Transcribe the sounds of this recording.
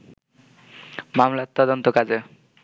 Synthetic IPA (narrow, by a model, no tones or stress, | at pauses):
mamlat̪ːɔd̪ont̪okad͡ʑe